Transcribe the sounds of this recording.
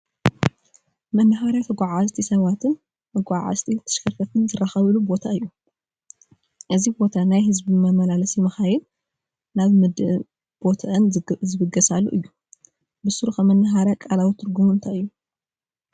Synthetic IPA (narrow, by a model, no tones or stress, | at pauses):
mɐnːɐɦaɾjat̪ʰɐɡʷaʕazt̪ʰisɐβat̪ʰɨn | mɐɡʷaʕa̰zt̪ʰʼit̪ʰɐ̥ʃkʰɐfɐt̪ʰɨnzɨraxɐβɨlubo̞t̪ʰaɨjːu | ʔɨzibo̞t̪ʰanajɦɨzbimɐmɐlalɐsimɐxajɛl | naβmɨd̪ʔ | b̥o̞t̪ʰɐʔɐnzɨβɨɡɐsalːoʔɨjːu | bɨsuɾxɐmɐnːɐɦaɾjakʼalawit̪ʰɨɾɡumuɨnt̪ʰajɨjːu